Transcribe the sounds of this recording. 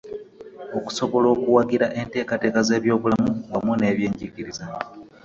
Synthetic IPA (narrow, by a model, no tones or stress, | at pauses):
o̞ku̥so̞βo̞lo̞ːkuwaɡiɾaʔe̞nte̞ːkate̞ːkaze̞ːβjo̞ːβulamuwamune̞ːβje̞ːɲɟiɟiɾiza